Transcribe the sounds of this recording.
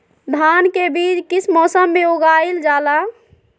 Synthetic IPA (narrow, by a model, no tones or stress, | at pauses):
d̪ʱankebiːd͡ʒkit͡ʃʰmɔːsəmːeoɡaild͡ʒala